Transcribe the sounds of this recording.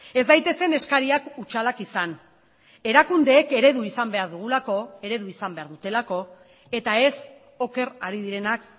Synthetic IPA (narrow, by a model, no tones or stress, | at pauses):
e̞zd̪ajt̪e̞se̞ne̞skaɾiakut͡ʃalakisan | e̞ɾakund̪e̞ːke̞ɾe̞ðuisambe̞aɾðuɣulako̞e̞ɾe̞ðuisambe̞aɾðut̪e̞lako̞ | e̞t̪ae̞s | o̞ke̞ɾaɾiðiɾe̞nak̚